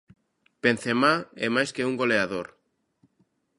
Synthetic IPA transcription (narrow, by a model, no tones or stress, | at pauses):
pen̟θemaemajskeuŋɡo̞leaðoɾ